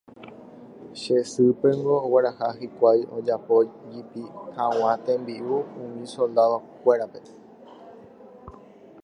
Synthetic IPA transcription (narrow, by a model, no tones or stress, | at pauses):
ʃesɨpe̞ŋɡo̞ːweɾahaɦikʷajod͡ʒapo̞d͡ʒipihãw̃ãt̪ẽmbiʔuũmĩso̞ld̪aðokʷeɾape̞